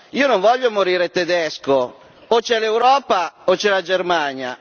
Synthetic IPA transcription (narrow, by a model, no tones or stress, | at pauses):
iːonoɱvɔʎːomoɾiːɾet̪ɛd̪ɛsko | ot͡ʃɛlewɾɔːpaot͡ʃɛlad͡ʒermaɲja̰